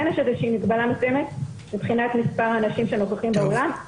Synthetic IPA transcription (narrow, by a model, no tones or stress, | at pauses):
naʃed̪eʃimikbalamesujemet̪ | mipχinat̪mispaʁaːnaʃimʃe̞nokaχimbeolam